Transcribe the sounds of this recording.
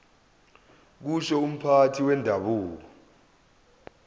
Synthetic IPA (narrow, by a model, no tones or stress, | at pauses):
k̬uʃɔum̩pʰatʰiwɛndʱaɓuːk̬ɔ